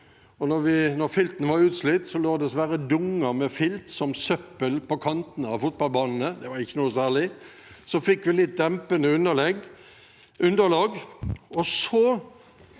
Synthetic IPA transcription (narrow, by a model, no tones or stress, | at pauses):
ɔnɔɾʋɪnɔɾfɪlt̪nəʋɑɾʉːt̪slɪt̪ːsɔloːd̪ɛsʋæɾəd̪ʊŋːəmɛfɪlt̪sɔmsœpːəlpɔkʰɑnt̪n̩ɑʋfʊt̪̚bɑlbɑːnn̩əd̪ɛʋɑɾɪçːənuːəsæːʁɭɪ | sɔfɪkːʋɪlɪt̪̚d̪ɛmpənəʉnːəlɛɡ | ʔʉnd̪əlɑːɡɔsɔ